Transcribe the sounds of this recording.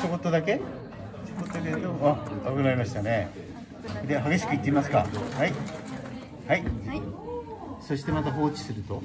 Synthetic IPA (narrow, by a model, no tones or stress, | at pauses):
toko̞t̪ːod̪ake̞ | ɕokot̪ːod̪ekeaakɯnaɾʲimaɕi̥t̪ane̞ | d̪eɦaɡe̞ɕi̥kɯit̪ːeimasɨ̥ka̰hai | hai | so̞ɕi̥t̪e̞mat̪aɦo̞ːt͡ɕi̥sɨɾɯ̟t̪o